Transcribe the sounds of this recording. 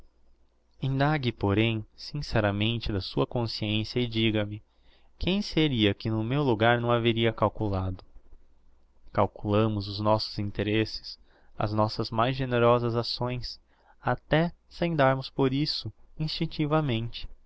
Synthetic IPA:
ĩnd̪aɡɪpoɾẽj̃sĩsɛɾɐmẽnt͡ʃɪd̪ɐsuɐkõsiẽsjɐɪd͡ʒiɡɐmɪ | kʰẽj̃seɾiɐkɪnʊmewluɡaɾnɐ̃w̃aveɾiɐkawkulad̪ʊ | kawkulɐ̃mʊzʊznɔsʊ̥z̥ĩnt̪eɾesɪ̥s | ɐ̰znɔsɐzmajzʒeneɾɔzɐzasõj̃s | at̪ɛsẽj̃d̪aɾmʊspoɾisʊĩst͡ʃĩnt͡ʃivɐmẽnt͡ʃɪ̥

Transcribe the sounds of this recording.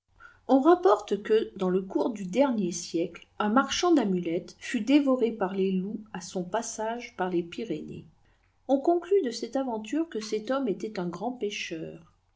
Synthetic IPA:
ɔ̃ʁapɔʁt̪kəd̪ɑ̃ləkuʁd̪yd̪ɛʁnjesjɛklɛ̃maʁʃɑ̃d̪amylɛt̪fyd̪evɔʁepaʁleluasɔ̃pasaʒpaʁlepiʁenḛ | ɔ̃kɔ̃klyd̪əsɛt̪avɑ̃t̪yʁkəsɛt̪ɔmet̪ɛt̪ɛ̃ɡʁɑ̃peʃœːʁ

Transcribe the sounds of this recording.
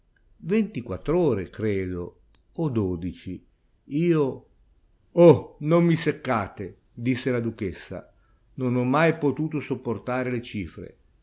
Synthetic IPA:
vent̪ikwat̪ːɾoːɾekɾeːd̪o̰ | od̪oːd̪it͡ʃi | iːo | onomːisekːaːt̪e | d̪isːelad̪uk̟esːa̰ | nonɔmːajpot̪uːt̪osopːort̪aːɾelet͡ʃiːfɾḛ

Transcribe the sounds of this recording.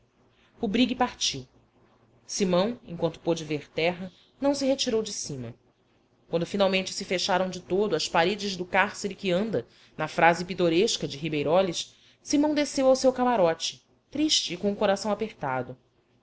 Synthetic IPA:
ʊbɾiɡipaɾt͡ʃiw | simɐ̃w̃ẽŋkwɐ̃nt̪ʊ̥pod͡ʒɪveɾt̪ɛɦɐ | nɐ̃w̃sɪɦet͡ʃiɾowd͡ʒɪsĩmɐ | kwɐ̃nd̪ʊfinawmẽnt͡ʃɪ̥sɪfeʃaɾɐ̃w̃d͡ʒɪt̪od̪ʊɐspaɾed͡ʒɪzd̪ʊkaɾseɾɪkɪɐ̃nd̪ɐ | nɐfɾazɪpit̪oɾeʃkɐd͡ʒɪɦibejɾɔlɪs | simɐ̃w̃d̪esewawsewkamaɾɔt͡ʃɪ̥ | t̪ɾiʃt͡ʃɪːkõʊkoɾasɐ̃w̃apeɾt̪ad̪ʊ

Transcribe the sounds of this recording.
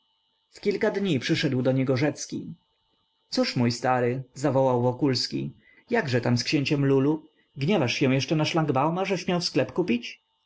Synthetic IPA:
fkʲilkad̪ɲipʂɘʂɛd̪wd̪ɔɲɛɡɔʐɛt̪skʲḭ | t̪suʂmujst̪aɾɘzavɔwawvɔkulskʲḭ | jaɡʐɛt̪amskɕeɲt͡ɕɛmlulu | ɡɲɛvaʂɕɛ̃w̃jɛʂt͡ʂɛnaʂlaŋɡbawmaʐɛɕmʲjawsklɛpkupʲit͡ɕ

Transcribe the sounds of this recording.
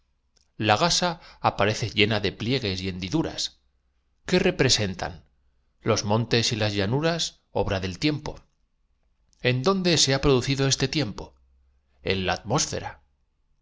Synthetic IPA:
laɣasaːpaɾe̞θe̞ʝe̞naðe̞plje̞ɣ̞e̞sje̞nd̪iðuɾa̰s | ke̞re̞pɾe̞se̞nt̪a̰n | lo̞zmõ̞nt̪e̞silazʎanuɾas | o̞̰βɾaðe̞lt̪je̞mpo̞ | e̞nd̪o̞nd̪e̞se̞apɾo̞ðuθiðo̞e̞st̪e̞t̪je̞mpo̞ | e̞̰nlaːt̪mo̞sfe̞̰ɾa

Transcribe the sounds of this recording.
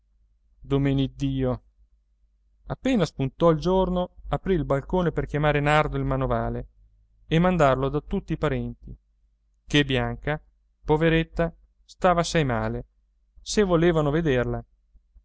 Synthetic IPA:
d̪omeːnid̪ːiːo | apːeːnaspunt̪ɔild͡ʒornoapɾiːlbalkoːneperkjamaːɾenard̪oilmanovaːle | emːand̪arlod̪at̪ut̪ːiːpaɾɛnt̪i | kebjaŋka | poveɾet̪ːa | st̪aːvasɛjmaːle | sevoleːvanoved̪erla

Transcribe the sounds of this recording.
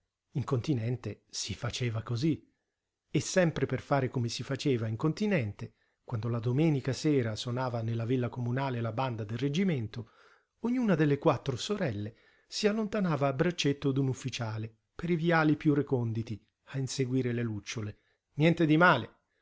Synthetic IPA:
iŋkont̪inɛnt̪esifat͡ʃeːvakozi | esːɛmpɾeperfaːɾekomesifat͡ʃeːvaiŋkont̪inɛnt̪e | kwand̪olad̪omɛːnikasɛːɾasonaːvanelːavilːakomunaːlelaband̪ad̪elred͡ʒiment̪o | oɲːuːnad̪elːekwat̪ːɾosoɾɛlːe | sialːont̪anaːvaːbɾat͡ʃːet̪ːod̪unufːit͡ʃaːle | peɾiviaːlipjurekɔnd̪it̪i | ainseɡwiːɾelelut͡ʃːole | njɛnt̪ed̪imaːle

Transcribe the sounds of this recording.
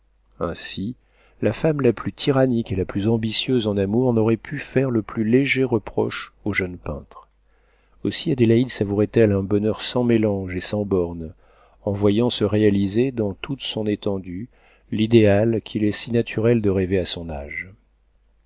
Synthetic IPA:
ɛ̰̃si | lafamlaplyt̪ʰiʁanikelaplyzɑ̃bisjøzɑ̃namuʁnɔʁɛpʰyfɛʁləplyleʒeʁəpχɔ̰ʃoʒœnpɛ̰̃t̪χ | osiad̪elaid̪savuʁɛt̪ɛlɛ̃bɔnœʁsɑ̃melɑ̃ʒesɑ̃bɔʁn | ɑ̃vwajɑ̃səʁealized̪ɑ̃t̪ʰut̪sɔ̃net̪ɑ̃d̪y | lid̪ealkʰʲilɛsinat̪ʰyʁɛld̪əʁeveasɔ̃na̰ʒ

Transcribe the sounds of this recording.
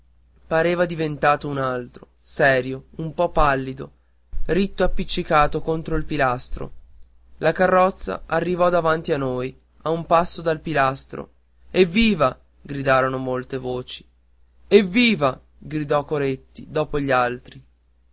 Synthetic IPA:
paɾeːvad̪ivent̪aːt̪ounalt̪ɾo | sɛːɾjoumpɔpːalːid̪o | ɾit̪ːoapːit͡ʃːikaːt̪okont̪ɾoilpilast̪ɾo̰ | lakarːɔt̪sːa̰ʔarːivɔd̪avant̪ianːoj | aumpasːod̪alpilast̪ɾo̰ | ɛvːiːva | ɡɾid̪aːɾonomolt̪evoːt͡ʃi̥ | ɛvːiːva | ɡɾid̪ɔkːoɾet̪ːid̪ɔːpoʎːialt̪ɾi

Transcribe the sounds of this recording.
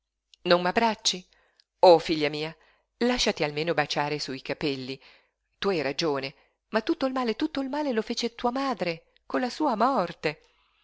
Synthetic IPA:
noŋmabːɾat͡ʃːi | ofiʎːamiːa | laʃːat̪ialmeːnobat͡ʃaːɾesuikapɛlːi | t̪uajɾad͡ʒoːne | mat̪ːut̪ːoilmaːlet̪ut̪ːoilmaːlelofeːt͡ʃet̪uamaːd̪ɾe | konlasuːamɔrt̪e

